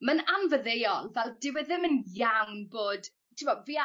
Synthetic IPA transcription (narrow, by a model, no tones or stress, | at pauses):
mənanvəðejɔlˠvɛlˠdɪwɛðɪmənjawnboːd̥ | tʰɪmɔviːa